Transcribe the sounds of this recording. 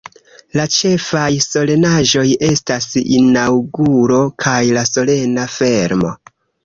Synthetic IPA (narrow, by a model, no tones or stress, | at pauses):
lat͡ʃe̞fajso̞le̞naʒo̞je̞stasḭnawɡuɾo̞kʰajlaso̞le̞nafe̞ɾmo̞̰